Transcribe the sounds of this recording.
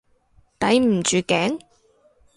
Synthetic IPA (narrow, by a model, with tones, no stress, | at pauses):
t̪ɐ˨˥jm̩˨˩t͡ʃyː˨˧kɛː˨˥ŋ